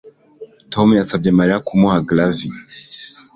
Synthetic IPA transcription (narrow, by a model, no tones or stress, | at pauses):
tʰɔmjasab̚damaɾiakumɔhaɡlavi